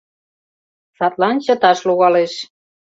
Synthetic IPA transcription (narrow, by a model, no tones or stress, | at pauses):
sɑt̪lɑnt͡ɕɤ̆t̪ɑʃluɣɑleʃ